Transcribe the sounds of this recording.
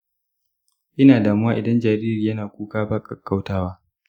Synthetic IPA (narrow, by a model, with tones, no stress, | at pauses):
ʔɪ˦naː˨daː˨mʊ˦waː˦ʔɪ˨dɐ˦nd͡ʒaː˨ɾiː˦ɾiː˨jɐ˦naː˨kʷʼuː˦kaː˦ba˦kʼɐ˨kːa˦wtaː˦waː˦